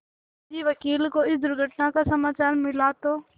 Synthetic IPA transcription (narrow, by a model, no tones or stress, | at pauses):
d͡ʒiːʋɐkiːlkoɪsd̪ʊɾɡʱəʈnakasɐmaːt͡ɕaːɾmɪlat̪oː